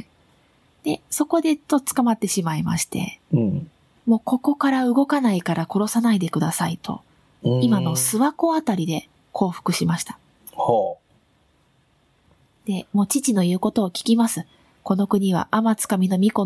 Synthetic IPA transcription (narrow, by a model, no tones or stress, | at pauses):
d̪̥e̞so̞ko̞d̪e̞t̪ot͡sɨ̥kamat̪ːe̞ɕimaima̰ɕi̥t̪e̞̰ | mo̞ːko̞ko̞kaɾaɯ̟ɡo̞kanaikaɾako̞ɾo̞sanaid̪e̞kɯ̟d̪asait̪ʰo̞̰ | imano̞sɨβako̞at̪aɾʲid̪e̞ | kʰo̞ːɸɯ̟̥kɯ̟ɕimaɕi̥t̪ḁ | ho | d̪̥e̞mo̞ːt͡ɕit͡ɕino̞jɯ̟ːko̞t̪o̞ːkʲi̥kʲimasɨ | ko̞no̞kɯ̟ɲ̟iβa̰ʔamat͡sɨ̥kamʲino̞mʲiko̞